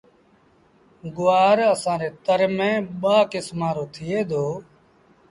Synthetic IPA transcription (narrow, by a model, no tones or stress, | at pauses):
ɡʊaːɾəsãːɾeːt̪əɾmẽːɓaːkɪsmãːɾoːt̪ʰɪjeːd̪ʱoː